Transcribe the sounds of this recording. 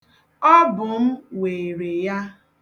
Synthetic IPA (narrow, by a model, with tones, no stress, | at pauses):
ɔ˦bʊ˨m̩˦we˨ɾe˨ja˦